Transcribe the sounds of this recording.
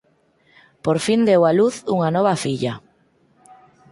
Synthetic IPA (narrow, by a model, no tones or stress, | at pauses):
poɾfind̪ewaluθuŋanɔβ̞afiʎa